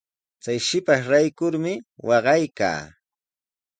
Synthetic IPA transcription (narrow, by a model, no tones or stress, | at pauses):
t͡sajʃɪpaʃɾajkʊɾmɪwɑɢɑjka̰ː